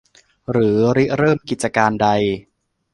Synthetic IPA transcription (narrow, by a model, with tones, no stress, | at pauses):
ɾɯː˩˦ɾi˦˥ɾɤː˥˩mki˨˩t̪̚t͡ɕa˧kaː˧nda˧j